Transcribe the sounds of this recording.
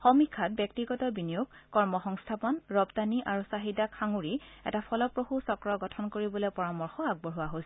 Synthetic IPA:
xomikʰːat̚bjɛk̚tiɡɔtɔbinijuɡkɔɹmɔxɔŋstʰapɔnɹɔbdaniʔaɹusaɦidakʰaŋuɹiɛ̰tapʰɔlɔpɹohusɔkɹɔɡɔtʰɔnkoɹibɔlɔpɔɹamɔɹxɔaɡ̚bɔɹɦʊwaɦojsɛ

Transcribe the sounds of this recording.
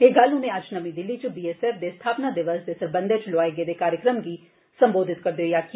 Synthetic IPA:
ɦeɡɐlɦʊnẽɐd͡ʒnɐmĩd̪ɪlːit͡ʃbiːeːseːfd̪est̪ʰaːpnad̪ɪʋəsd̪esɐɾbə̃nd̪et͡ʃloaːeɡed̪ekaːɾjəkɾəmɡi | sɐmboːd̪ʱɪt̪kɐɾd̪eojaːk

